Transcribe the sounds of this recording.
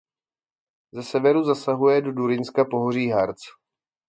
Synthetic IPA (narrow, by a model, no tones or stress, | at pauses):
zɛsɛvɛɾuzasaɦujɛdo̞duɾɪnskapo̞ɦor̝iːɦaɾt͡s